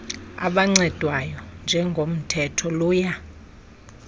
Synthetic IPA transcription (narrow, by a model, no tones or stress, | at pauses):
a̰ɓaŋ͡ǀɛd̥ʱwajɔnd͡ʒʱɛŋɡʱom̩tʰɛtʰɔluːja